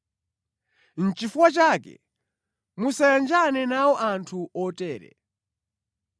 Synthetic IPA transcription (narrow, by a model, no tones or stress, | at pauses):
n̩t͡ʃifuwat͡ʃaːkɛ̰ | musajand͡ʒanɛnawɔʔantʰuɔtɛːɾɛ̰